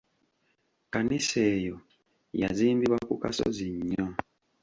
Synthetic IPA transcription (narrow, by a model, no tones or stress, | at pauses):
kaniseːjo | ja̰ziːmbiβwakuka̰so̰ziɲːo